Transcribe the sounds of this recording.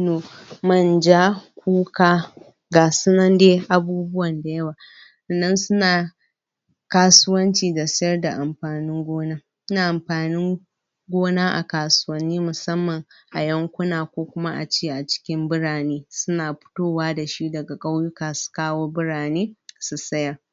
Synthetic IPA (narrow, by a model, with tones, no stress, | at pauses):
noː˨mɐ˦nd͡ʒaː˦kʷuː˦kaː˦ | ɡaː˨sʊ˦nɐ˦ndeː˦ʔa˨buː˦bʊ˦wɐ˨nda˨jɐ˦waː˨ | ɐ˨nːɐ˦nsʊ˦naː˨ | kaː˦sʊ˦wɐ˦nt͡ʃiː˨dɐ˨sɪ˦jɐ˦rda˨ʔa˨mɸaː˨nɪ˦ŋɡʷoː˦naː˦ | sʊ˦naː˨ʔa˨mɸaː˨nɪ˦ŋ | ɡʷoː˦naː˦ʔa̰˨kaː˨sʊ̥˦wɐ˦nːiː˦mʊ˨sɐ˦mːɐ˨ŋ | ʔa˨jɐ˦ŋkʷʊ˦naː˨kʷoː˦kʷʊ˦ma˦ʔa̰˨t͡ʃeː˦˨ʔa˨t͡ʃɪ̥˦kʲɪ˦mbʊ˦ɽaː˨neː˦sʊ˦naː˨ɸʊ̥˦toː˦waː˦da˨ʃi˦dɐ˨ɡa˨kʼa˦wjʊ˦kaː˨su̥˨kaː˦woː˦bʊ˦ɽaː˨neː˦su˨sɐ˦jɐ˨